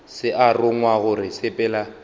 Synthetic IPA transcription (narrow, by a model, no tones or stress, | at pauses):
sɪʔarʊŋwaɣʊrɪsepʼɛːla